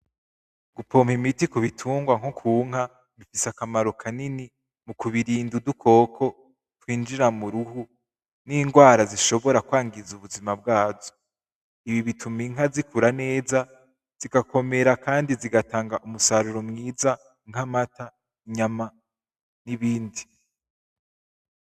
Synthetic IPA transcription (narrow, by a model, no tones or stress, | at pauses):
ɡ̥upo̞ːmhimitikuβitʰuːŋɡwaŋhokʰuːŋ̥ha | βifisakamaɾo̞kʰanini | mukuβiɾiːndudukʰo̞ːkʰo̞ | twiːnd͡ʒiɾamuɾuhu | niːŋɡwaːɾaziʃo̞βo̞ɾakwaːŋɡizuβuzimab̚ɡaːzo | iβiβitʰumiŋ̥ɦazikʰuɾane̞ːza | z̥iɡako̞me̞ɾakaːndiziɡataːŋɡaʔumusaɾuɾo̞mŋiːza | ŋ̥hamata | iɲama | niβiːndi